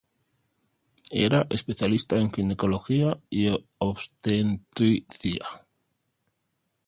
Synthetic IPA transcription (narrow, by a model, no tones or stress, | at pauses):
ḛɾaʔe̞spe̞θjalist̪ae̞ŋkineko̞lo̞xiaioβst̪ent̪ɾiθia